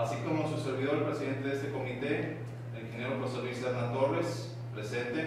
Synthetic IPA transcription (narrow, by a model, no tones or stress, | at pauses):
asiko̞mosuse̞ɾβiðo̞ɾelpɾe̞siðe̞nt̪eðe̞st̪eko̞mit̪e | elxenjeɾopoɾseɾisaɾnat̪o̞re̞s | pɾe̞se̞nt̪e